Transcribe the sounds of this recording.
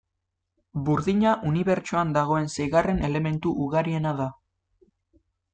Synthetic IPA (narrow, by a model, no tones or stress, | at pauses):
buɾðiɲaʔuniβe̞ɾt͡ʃoand̪aɣ̞o̞e̞nsejɣare̞ne̞le̞me̞nt̪uʔuɣaɾie̞naða